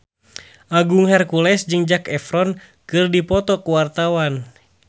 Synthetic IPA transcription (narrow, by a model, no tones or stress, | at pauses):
ʔaɡuŋhɛrkulɛsd͡ʒɨŋd͡ʒakɛfɾɔn | kɨrdipɔt̪ɔkuwart̪awan